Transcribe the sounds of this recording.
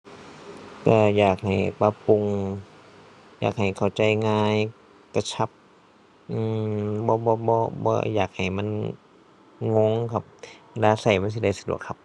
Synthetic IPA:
ka˧˩jaː˨˩k̚ha˨˩jpa˧pu˧ŋ | jaː˨˩k̚ha˨˩jkʰa˨˩wt͡ɕa˧jŋaː˧j | ka˧˩t͡ɕʰa˧˥p̚ | ʔɯː˧˩bɔː˧˦bɔː˧bɔː˧˦bɔ̰ː˧ja̰ː˨˩k̚ha˨˩jma˧˥˨n | ŋo˧˥ŋkʰa˧˩p̚a˧laː˧sa˨˩jma˧˥ns̬i˧da˧˩jsa˧dṵ˨˩əkʰa˧p̚

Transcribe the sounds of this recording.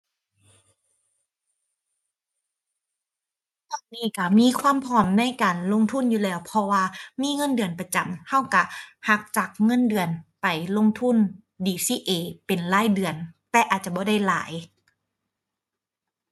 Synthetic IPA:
t̪ɔː˧˩nniː˧˥˩ka˧˩miː˧˥˨kʰwaː˧˥˨mpʰɔː˧˩mna˧˥˨jkaː˨˩nlo˧˥˨ŋt̪ʰu˧˥˨njuː˧˩lɛː˧˩wpʰɔ˧waː˧miː˧˥˨ŋɤ˧˥˨ndɯ˨ənpa˧t͡ɕa˨˩mha˧˥˩wka˧˩ha˧˦k̚t͡ɕa˨˩k̚ŋɤ˧˥˨ndɯ˨˩ənpa˨˩jlo˧˨ŋt̪ʰu˧˥˨n | diː˧˩siː˧˩ʔeː˧˩pe˨nlaː˧˥˨jdɯ˨˩ənt̪ɛː˧ʔaː˨˩t̪̚t͡ɕa˧˩bɔː˧˦da˥˩jla̰ː˨˦j

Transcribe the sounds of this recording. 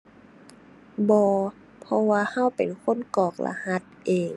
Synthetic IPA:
bɔː˧ | pʰɔ˧waː˧ha˧˥˩wpe˨˩nkʰo˧˥˨nkɔː˨˩k̚la̰˧ha˧˥t̪̚ʔeː˨˩ŋ

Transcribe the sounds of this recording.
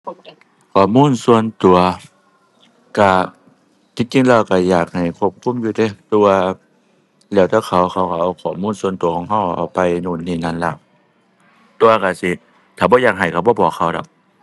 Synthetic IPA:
kʰɔː˨˩muː˧˥˨nsu˧ənt̪u˨˩ɐ | ka˧˩ | t̪ʰiː˧˩t͡ɕi˧˨ŋla˧˩˨ka˧˩jaː˨˩k̚ha˨˩jkʰu˧ə˨p̚kʰu˧˥˨mjuː˧˦t̪e˧˦˨t̪u˧waː˧ | lɛː˧˩˨t̪ʰɛː˧˩kʰa˧˩wkʰa˧˩wka˧˩ʔa˧˩wkʰɔː˨˩muː˧˥˨nsu˧ə˨nt̪u˨əkʰɔː˧˦ŋɦa˧˨wʔa̰˨˩wpa˧jnuː˧˩˨nːiː˧˩˨na˧˨nla˧˩˨ʔ | t̪u˧ɐka˧˩si˧˦ | t̪ʰaː˨˩bɔː˧˦jaː˧˩k̚ɦa˨˩jka˧˩bɔː˧˦bɔː˨˩kʰa˧˩wda̰˧˩

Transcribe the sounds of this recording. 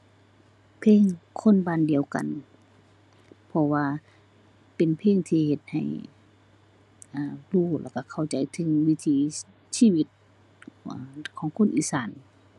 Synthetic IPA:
pʰeː˧˥˨ŋkʰo˧˥˨nbaː˧˨ndi˨əwka̰˨n | pʰɔ˧waː˧ | pe˨npʰeː˧˨ŋt̪ʰiː˧he˧˦t̪̚ha̰˨˩j | ʔaː˧˩duː˧˩la̰˧˩ka˧˩kʰa˧˩wt͡ɕa˨˩jt̪ʰɯ˨˦ŋwi˧˥t̪ʰiː˨˧˦ | siː˧˨wi˧˦t̪̚ | a˧˩kʰɔː˨˦ŋkʰo˧˥˨nʔiː˧˥saː˨˦n

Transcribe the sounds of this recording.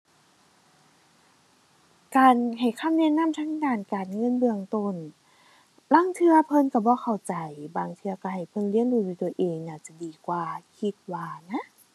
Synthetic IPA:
kaː˨nɦa˨˩jkʰa˧˥˨mnɛ˧˥˨na˧˥˨mt̪ʰaː˧˥˨ŋdaː˧˩nkaː˨˩nŋɤ˧˥˨nbɯ˧əŋt̪o˧˩n | la˧˥˨ŋt̪ʰɯ˧ɐpʰɤ˧˨nka˧˩bɔː˧˦kʰa˨˩wt͡ɕa˨˩jbaː˨˩ŋt̪ʰɯ˧ɐka˧˩ha˨˩jpʰɤ˧˨nli˧˥ə˨nduː˧˩du˧˦t̪u˧˩ɐʔeː˨ŋnaː˧˩t͡ɕa˧˩diː˨˩kwaː˧˩kʰi˧t̪̚waː˧na˧˥˨ʔ

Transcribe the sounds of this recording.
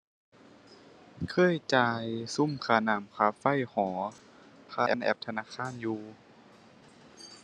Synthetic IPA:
kʰɤː˧˥˨jt͡ɕaː˧jsu˧˥˨mkʰaː˧˩naː˨˦mkʰaː˧˦fa˧˥˨jhɔː˩˦ | kʰaː˧˥ʔɛ̰˧˨nʔɛ̰˧˩p̚t̪ʰa˧naː˧˥˨xʰaː˧˥˨njuː˧

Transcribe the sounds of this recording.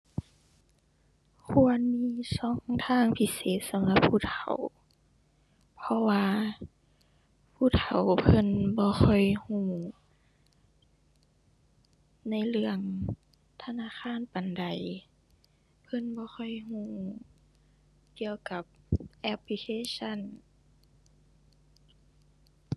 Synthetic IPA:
kʰu˧ənmiː˧˥˨sɔː˧˥˦ŋt̪ʰaː˧˥˨ŋpʰi˧seː˨t̪̚sa˨˦mla˧˦pʰːuː˧˨t̪ʰaa˨˩w | pʰɔ˧waː˧ | pʰuː˧˩t̪ʰa˨˩wpʰɤ˧˥˨nbɔː˧xʰɔ˧˩jhũː˧˩ | na˧˥˨jlɯ˧əŋ | t̪ʰa˧naː˧˥˨xʰaː˧˥˨npa˨nda˨˩j | pʰɤ˧˥˨nbɔː˧˦xʰɔ˧˨jɦũː˧˩ | ki˧əwka˧˦p̚ʔɛ˧pʰli˧kʰeː˧˥˨sa˧˥˨n

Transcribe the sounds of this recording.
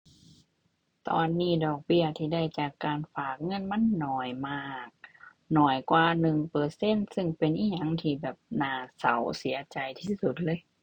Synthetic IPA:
t̪ɔ̰ː˧nːiː˧˩dɔː˨˩k̚bi˧˩ɐt̪ʰiː˧˩da˧˩˨jt͡ɕaː˨˩kːaː˨nfaː˨˩k̚ŋɤ˧˥˨nma˧˥˨nːɔː˨˩jmaː˧˩k̚ | nɔː˨˩jkwaː˧nɯ˨˩ŋpɤː˧˩se˧˥˨nsɯ˧ŋpe˧nʔiː˧˩ɲa˧˥˨ŋt̪ʰiː˧˩bɛː˨˩p̚naː˧˩sa̰˨˦wsi˨˩˦ɐt͡ɕa˨˩jt̪ʰiː˧˩ssu˧˩t̪̚lɤː˧˥˨j

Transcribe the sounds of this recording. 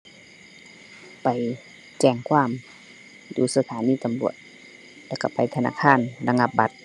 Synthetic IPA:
pa˨j | t͡ɕɛː˧˩ŋkʰwaː˧˥˨m | duː˨˩sa˧t̪ʰaː˨˦niː˧˨t̪a˨mlu˨˩ət̪̚ | lɛː˧˩wka˧˩pa˨jt̪ʰa˧na̰ː˧˥˨kʰaː˧˥˨nla˧ŋa˧p̚ba˧˦t̪̚

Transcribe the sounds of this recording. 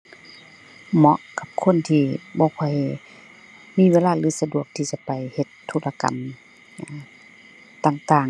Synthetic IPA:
mɔ˧˦ʔka˧˦p̚kʰo˧˥˨nt̪ʰiː˧˩bɔː˧˦kʰɔ˧˥˨j | miː˧˥˨ʋeː˧˥˨laː˧˩˨lɯː˧˦sa˧du˨˩ək̚t̪ʰiː˧˩t͡ɕa˧˦pa˨jhe˧˦t̪ʰːoː˧˩la˧ka̰˨n˧ | t̪aː˧˨ŋt̪aː˨˩ŋ

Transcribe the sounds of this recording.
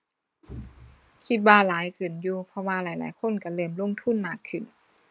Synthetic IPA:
kʰi˧t̪̚waː˧laː˨˦jkʰɯ˨˩njuː˧pʰɔ˧waː˧laː˨˦jla̰ː˨˦jkʰo˧˥˨nka˧˩lɤː˧˩mlo˧˥˨ŋt̪ʰu˧˥˨nmaː˧˩kʰːɯ˨˩˨n

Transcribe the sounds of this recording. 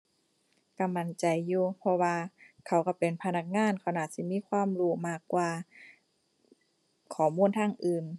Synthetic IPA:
ka˧˩ma˧˦nt͡ɕa˨jːuː˧pʰɔ˧waː˧kʰa˧˩wka˧˩pe˨npʰa˧na˧˩k̚ŋaː˧˥˨nkʰa˧˩wna˧˩t̪̚si˧˦miː˧˥˨kʰwaː˧˥˨mɾuː˧˩maː˧˩kːwaː˧ | kʰɔː˨˦muː˧˥˨nt̪ʰaː˧˥˨ŋʔɯː˨n

